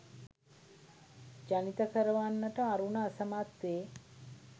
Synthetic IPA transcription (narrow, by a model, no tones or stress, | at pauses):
d͡ʒanit̪ɐkəɾəʋanːəʈəaɾunəːsəmat̪ʋeː